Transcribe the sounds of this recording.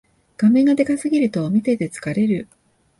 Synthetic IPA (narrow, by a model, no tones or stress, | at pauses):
ɡ̥amẽ̞ŋɡad̪e̞kasɨɡʲiɾɯ̟t̪o̞ːmʲit̪et̪e̞t͡sɨ̥kaɾe̞ɾɯ̟